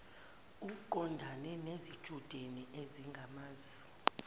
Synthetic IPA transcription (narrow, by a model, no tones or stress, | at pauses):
uǃɔndʱanɛnezid̥ʒ̥ʱud̥ʱeniʔeziŋɡʱamaːzi